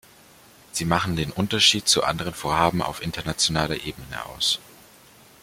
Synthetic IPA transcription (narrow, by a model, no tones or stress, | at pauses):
z̥iːmaχn̩deːnʔʊntɐʃiːtt͡suʔa̰ndəʁ̞ənfoːɐɦaːbm̩a̰ʊfʔɪntɐnat͡sjonaːlɐʔeːbənə̰ʔa̰ʊs